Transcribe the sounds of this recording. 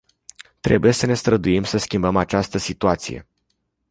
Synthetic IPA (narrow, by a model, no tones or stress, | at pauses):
t̪ɾe̞buje̞səne̞st̪ɾəd̪uimsəskʲimbəmat͡ʃast̪əsit̪uat̪sḭje̞̰